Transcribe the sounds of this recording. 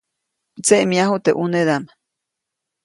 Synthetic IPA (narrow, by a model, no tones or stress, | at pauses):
t͡seʔmiaɦut̪eʔuned̪ama